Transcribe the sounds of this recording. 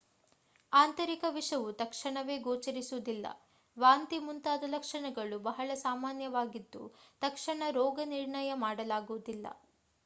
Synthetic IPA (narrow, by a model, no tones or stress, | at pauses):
aːnt̪ɐɾikɐʋiʂɐʋut̪ɐkʂɐɳɐʋe̞ːɡoːt͡ʃɐɾisuud̪ilːɐ̰ | ʋaːnt̪imunt̪aːd̪ɐlɐkʂɐɳɐɡɐɭubɐɦɐɭɐsaːmaːnjɐʋaːɡid̪ːṵt̪ɐkʂɐɳɐɾɔːɡɐniɾɳɐjɐmaːɽɐlaːɡuʋud̪ilːɐ̰